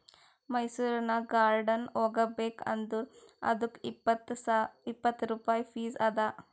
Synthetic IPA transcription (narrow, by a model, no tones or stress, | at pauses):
mɐjsuɾnaɡaːɾɖɐnoɡɐbekʰɐ̰nd̪uɾɐ̰d̪ukipːt̪sipːət̪ɾupaːjfiːzɐd̪a